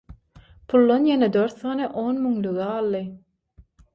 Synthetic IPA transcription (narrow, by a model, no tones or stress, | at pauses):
pʰulˠːonjened̪øɾθɑːnɯʔoːnmyŋlyɣɛɑlˠːɯ